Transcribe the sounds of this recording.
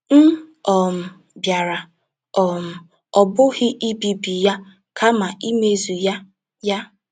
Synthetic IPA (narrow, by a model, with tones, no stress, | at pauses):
n̩˦ | ɔ˨m̩˨ | bja˨ɾa˨ | ɔ˨m̩˨ | ɔ˨bʊ˦ɣɪ˦ʔi˦bi˨bi˨ja˦ | kʰa˦ma˨i˦me˦zu˨ja˦ | ja˦